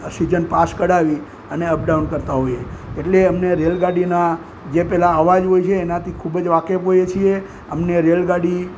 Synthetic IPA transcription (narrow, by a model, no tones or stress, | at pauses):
əsid͡ʒənpaskəɽaʋi | əneəp̚ɖaunkəɾt̪aɦojeeʈleəmneɾelɡaɽina | d͡ʒepɛlaəʋad͡ʒɦojt͡ʃʰeːnat̪ʰikʰubəd͡ʒʋakepɦojet͡ʃʰie | əmneɾelɡaɽi